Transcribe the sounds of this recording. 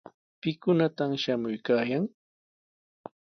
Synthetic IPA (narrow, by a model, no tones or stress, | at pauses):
pɪkʊnat̪amʃamʊjkaːjaŋ